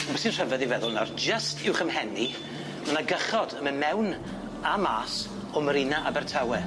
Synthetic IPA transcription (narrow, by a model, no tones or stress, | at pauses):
masɨnr̥ɛvɛðivɛðʊlˠnɔrd͡ʒəstʰɪwχəmhɛni | mənaɡəχɔdəmənmɛwn | amaːs | ɔməɾɪnaʔabɛrtʰawɛ